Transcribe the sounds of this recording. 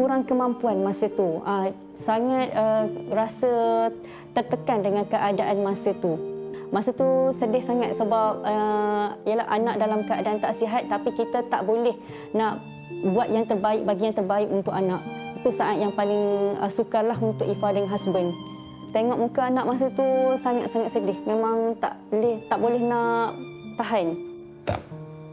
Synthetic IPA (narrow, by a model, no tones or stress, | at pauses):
kuɾaŋkəmãmpuanmãsət̪uə | saŋat̪̚ərasə | t̪ərt̪əkandəŋãnkəʔadaʔanmãsət̪umasət̪usədɪhsaŋat̪̚səbap̚əijəlahʔanaʔ̚dalamkəadaʔant̪aʔsiɦat̪̚ːapikit̪ət̪aʔbolɛh | naʔ | buat̪̚jaŋt̪ərbaɪk̚baɡijaŋt̪ərbaɪkunt̪ʊkanaʔit̪usaʔat̪̚jaŋpalɪŋəsukarlaɦunt̪ʊkikadəŋnɦasbən | t̪eŋɔʔmukaanãʔmas̬ət̪usaŋat̪̚saŋat̪̚sədɪhmẽmaŋt̪a̰ʔlt̪aʔbolɛhnaʔ | t̪aɦan